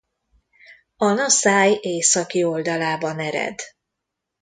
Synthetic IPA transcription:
ɒnɒsaːjeːsɒkio̞ld̪ɒlaːbɒnɛɾɛ̰d̪

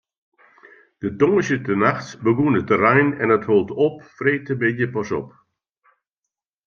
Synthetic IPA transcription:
d̥ətɔŋəsjətənaxtbəɡunətərɛjnɛnətholˠtɔpfreːtəbɪdjəpɔsɔ̰p

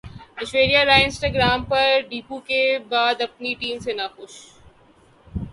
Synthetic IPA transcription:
ɪʃweːɾijaɾaːɪ̃nsʈaːɡɾaːmpɐɾɖiːpukebaːd̪ɐp̚niʈiːmsenɐxʊʃ

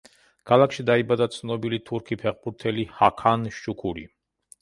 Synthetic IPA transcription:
kʰalˠakʃid̪aibad̪at̪sʰnɔbilit̪ʰuɾkʰipʰɛχbuɾt̪ʰɛlihakʰanʃt͡ʃukʰuɾḭ

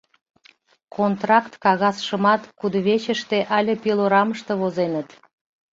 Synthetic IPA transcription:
kʰont̪rɑkt̪kɑɣɑsʃə̆mɑt̪kud̪βet͡ɕəʃt̪eʔɑlʲə̆pʲiloɾɑməʃt̪ə̆βozenət̪

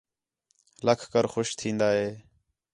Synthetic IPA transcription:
ləkʰkəɾxʊʃt̪ʰĩːnd̪aːɦeː

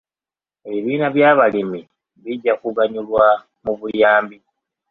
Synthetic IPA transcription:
eβiːnaβjaβalimi | βiɟakuɣaɲulwa | muβujaːmbi

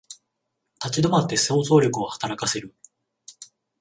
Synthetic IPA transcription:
t̪at͡ɕid̪o̞mat̪ːe̞so̞ːzo̞ːɾʲo̞kɯ̟o̞hḁt̪aɾakase̞ɾɯ̟

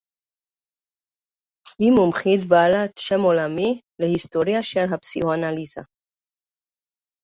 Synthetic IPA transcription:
himumχid̪balat̪ʃemolami | lehist̪oɾjaʃelɦapsḭhoanaliza̰

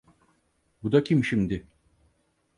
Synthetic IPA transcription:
bud̪acʰimʃimd̪ɪ

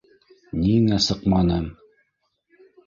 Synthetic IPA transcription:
ninæsɤqmɑnɤm

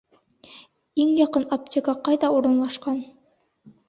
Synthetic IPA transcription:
iŋjɑqɤnop̚tʲikɑqɑjðɑuɾɤ̆nlˠɑʃqɑn

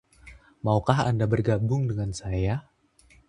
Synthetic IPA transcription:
maukaɦa̰ndabərɡabʊŋdəŋansaja

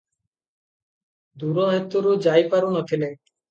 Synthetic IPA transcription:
d̪uɾoɦet̪ːuɾud͡ʑajpaɾunot̪ʰile

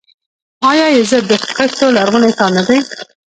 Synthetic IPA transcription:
ɑjɑjezəd̪əxqet̪t̪olaɾɣʊnet̪ɑnad̪aj

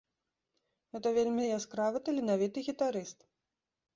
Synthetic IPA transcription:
ɣɛt̪ɐvʲelʲmʲijaskɾavɨt̪ɐlʲinavʲit̪ɨɣʲit̪aɾɨst̪

